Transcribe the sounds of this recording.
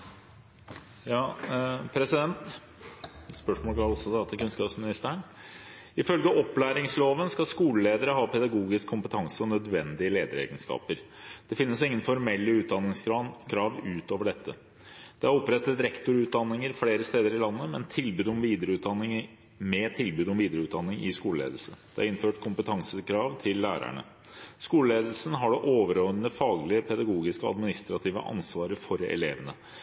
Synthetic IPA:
jɑːpʰɾɛsɪd̪ɛnt̪ | spœʂmoːlɡɑɔsːɔd̪ɑːt̪ʰəkʉnskɑːpsmɪnɪst̪æɳ | ɪfœlɡəʔɔplæːɾɪŋsloːʋənskɑskuːləleːd̪əɾəɦɑːpʰɛd̪ɑɡuːɡɪskʰːʊmpət̪ʰɑŋsəɔnœd̪ʋɛnd̪ɪəleːd̪əɾḛːɡənskɑ̰ːpəɾ | d̪̥ɛfɪnːəsɪŋːənfɔɾmɛlːəʉːt̪̚d̪ɑnːɪŋsɑkʰɾɑːʋʉːt̪oːʋəɖɛt̪ʰːə̰ | d̪̥ɛæɾɔpːɾɛt̪ːət̪ɾɛkt̪ʊɾʉːt̪̚d̪ɑnːɪŋəɾfleːɾəst̪eːd̪əɾɪlɑnːəmɛnt̪ʰɪlbʉːd̪ɔmʋiːd̪əɾəʉːt̪̚d̪ɑnːɪŋ | mɛt̪ʰɪlbʉːd̪ɔmʋiːd̪əɾəʉːt̪̚d̪ɑnːɪŋɪskuːləlḛːd̪l̩səd̪̥ɛæɑɾɪnføːʈkʰʊmpət̪ʰɑŋsəkʰɾɑːʋt̪ʰɪlːæ̰ːɾæ̰ɳə̰ | skuːləleːd̪l̩sən̩ɦɑɖɛʔoːʋəɾoːənəfɑːɡlɪəpʰɛd̪ɑɡuːɡɪskəɑ̰d̪mɪnɪst̪ɾɑt̪ʰiːʋə̰ʔɑ̰nsʋɑːɾəfɔɾɛ̰leːʋənə

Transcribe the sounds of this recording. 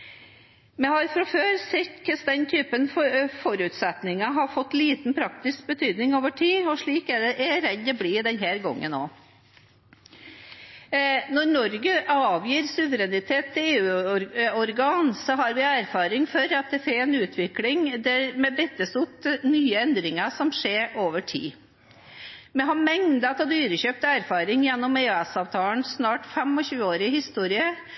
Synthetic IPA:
mɛhɑɾfɾɑføːɾsɪt̪kəsd̪ɛnt̪ʰyːpənfɔfɔɾʉːt̪sɛt̪nɪŋɑɦɑɾfɔt̪ːliːt̪n̩pʰɾɑkt̪ɪsk̚bət̪ʰyːd̪nɪŋoːʋəʈʰiːɔʂɭiːkæɖɛʔɛɾɛd̪ːɔbliːd̪ɛnɦæːɾɡɔ̰ŋːə̰no̰ː | nɔɾnɔɾɡəʔɑːʋjiːɾsʉʋəɾɛnɪt̪ʰeːt̪ʰːɪleːʉːɔɾɡɑːnsɔɦɑɾʋɪæɾfɑːɾɪŋfɔɾɑt̪̚d̪ɛfɛnʉːt̪ʰʋɪklɪŋd̪æɾmɛbɛt̪ːəsʊt̪nyːəɛnd̪ɾɪŋɑsɔmʂeːɾoːʋəʈʰḭː | mɛɦɑmɛŋd̪ɑt̪ʰɔd̪yːɾəçøːp̚t̪əæɾfɑːɾɪŋjɛnːɔmeːʉɛsɑːʋt̪ʰɑːlnsnɑːʈfɛmɔçʉːəoːɾɪəhɪst̪uːɾɪə

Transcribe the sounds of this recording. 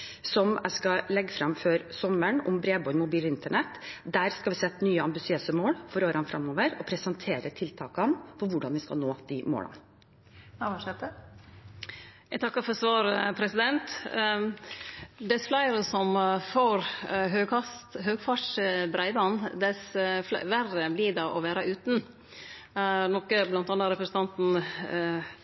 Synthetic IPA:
sɔmæ̰ɪskɑlɛɡːəfɾɑmfœɾsɔməɳɔ̰mbɾeːbɔʏmʊbiːlɪnt̪əɳɛt̪ːd̪æːɾskɑlʋɪsɛt̪ːnyːəɑmbɪsɪøːsəmoːlfɔɾoːɾɑnfɾʔɑ̰mːoːʋəɾɔpʰɾɛsənt̪ʰeːɾət̪ʰɪlt̪ʰɑːkɑnfɔɾʋʊɖɑnʋɪskɑ̰lnoːd̪̥ɪmo̰ːlʔɑ̰n | ʂɛt̪ːə | jæɪt̪ɑkːɑfɔɾsʋɑːɾəpʰɾɛsɪd̪ɛnt̪ | d̪ɛsflæɪɾəsɔmfoːɾɦøːɡɑst̪ɦøːɡfɑʈʂəbɾæɪd̪ɑnd̪ɛsʋærəblɪdɑːʔɔʋæːɾɑʔʉːt̪n̩ | nɔkːəblɑnt̪ɑːnːəɾɛpɾəsən̩t̪ɑnt̪n̩

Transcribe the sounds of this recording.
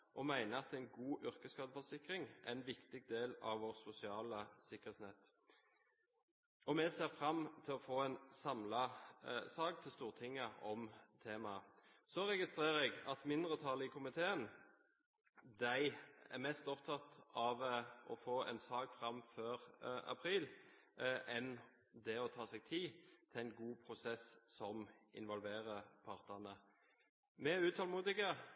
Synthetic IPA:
ʔɔmæɪnəɑt̪æɛɪnɡuːʔʏɾkəskɑːd̪əfɔsɪkʁɪŋʔæ̰nʋɪkt̪ɪɡ̚d̪eːlɑ̰ʋʋɔʁsʊsɪɑːləsɪkːəʁet̪snɛt̪ː | ɔmɛseːʁfɾɑmːt̪ʰɪlɔfoːɛnsɑmlɑsɑːɡt̪ʰɪlst̪uːʁt̪ʰɪŋːəɔmt̪ʰeːmɑsɔɾɛɡɪst̪ʁeːʁɛɡɑt̪mɪnd̪ʁət̪ʰɑlɪkʰʊmɪt̪ʰeːən | d̪æɪæ̰ʁmɛst̪ɔpt̪ʰɑt̪ɑʋʔɔfoːɛ̰nsɑːɡfʁɑmfœʁɑ̰pʰɾiːl | ʔɛn | d̪ɛɔt̪ʰɑːsɛɡ̚t̪ʰiːt̪ʰɪæɪnɡuːpʰʁʊsɛssɔmʔɪ̰nʋɔlʋeːʁəpʰɑʁt̪ənə | mɛʉːt̪ʰɑlmuːd̪ɪɡə

